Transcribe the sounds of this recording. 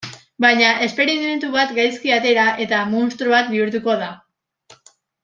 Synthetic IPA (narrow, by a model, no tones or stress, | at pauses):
bajɲaʔe̞spe̞ɾime̞nt̪uβat̪ɡajskiat̪e̞ɾaʔe̞t̪amonst̪ɾuβat̪̚biuɾt̪uko̞ða